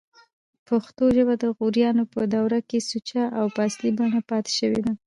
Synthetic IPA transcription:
paxt̪oʒəbad̪əɣuɾjɑnopəd̪awɾakesut͡ʃaʔawpaslibaɳapɑt̪e̥ʃəwed̪a

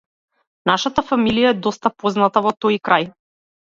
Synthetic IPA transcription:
naʃat̪afamilijaɛd̪ɔst̪apɔznat̪avɔt̪ɔjkɾaj

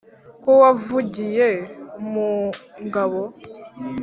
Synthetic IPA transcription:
kowavuɟijemuŋɡaβo

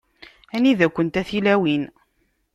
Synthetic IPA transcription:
æniðækʷːənt̪æθilæwin

